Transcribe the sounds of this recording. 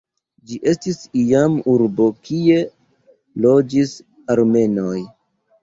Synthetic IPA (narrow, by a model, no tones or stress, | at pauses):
d͡ʒiʔe̞stisiamuɾbo̞kʰie̞ | lo̞d͡ʒis | aɾme̞noj